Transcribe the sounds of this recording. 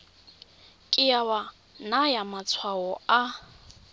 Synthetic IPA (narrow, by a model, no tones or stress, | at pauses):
kʼɪjawa | najamat͡sʰwaɔa